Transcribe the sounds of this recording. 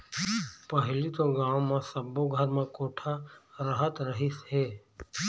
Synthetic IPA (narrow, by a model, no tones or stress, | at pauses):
pəɦlit̪oɡãːʋ̃mãsəboɡʱəɾmãkoːʈʰaɾəɦət̪ɾəɦɪsɦɛː